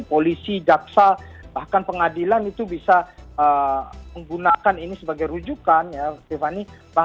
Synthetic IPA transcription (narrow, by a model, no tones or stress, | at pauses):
polisid͡ʒaksabahkanpəŋadilanit̪ubisaəməŋɡunakaninisəbaɡajɾud͡ʒukanjast̪efaniba